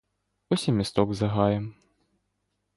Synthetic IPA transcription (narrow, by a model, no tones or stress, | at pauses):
ɔsʲimʲɛst̪ɔɡzɐɣajɛm